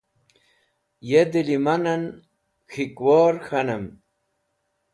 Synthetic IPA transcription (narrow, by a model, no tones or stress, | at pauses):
jed̪ilimanɐn | xikwoːɾxanɐm